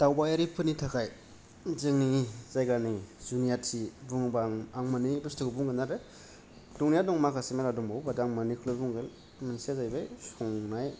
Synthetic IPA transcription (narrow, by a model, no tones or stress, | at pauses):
tawbajaɾipʰɯnitʰakʰaj | zɯŋniz̥ajɡanizunijatʰibuŋbaŋaŋmanibɯstʰɯkɯbuŋɡɯnaɾe | duŋnijadɔŋmakʰasemeɾadɔŋbawbadaŋmanikʰlɯbuŋɡɯn | mɯnsazajbajsɔŋnaj